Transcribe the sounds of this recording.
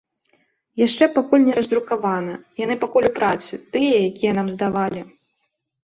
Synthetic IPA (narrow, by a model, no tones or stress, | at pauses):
jaʂt͡ʂɛpakulʲnʲɛɾɐzd̪ɾukavanɐjanɨpakulʲupɾat̪sɨt̪ɨjɐjakʲijɐnamzd̪avalʲi